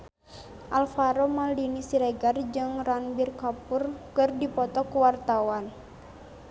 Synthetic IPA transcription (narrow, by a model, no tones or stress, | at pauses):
ʔalfaɾomaldinisiɾɛɡard͡ʒɨŋranbirkapʊrkɨrdipɔt̪ɔkuwart̪awan